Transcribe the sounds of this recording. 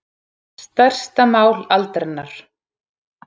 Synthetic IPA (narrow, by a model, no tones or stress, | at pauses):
st̪œr̥st̪amaːwlalt̪ɾɛnːaɾ̥